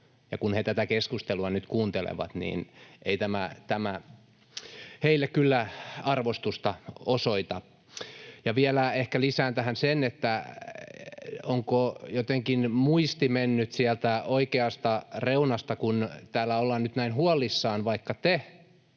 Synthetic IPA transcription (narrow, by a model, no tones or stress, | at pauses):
jɑkunhet̪æt̪ækeskust̪eluɑnyt̪kuːnt̪elḛʋɑ̰t̪nḭːnʔeit̪æmæ̰t̪æmæ | heilːekkylːæɑrʋost̪ust̪ɑosoit̪ɑ | jɑʋiælæehkælisæːnt̪æhænsenet̪ːæ | oŋkojot̪eŋkinmuist̪imenːyt̪siælt̪æoikeɑst̪ɑreunɑst̪ɑkunt̪æːlːæolːɑːnnyt̪næinhuɑlːˑisːɑːnʋɑikːɑt̪e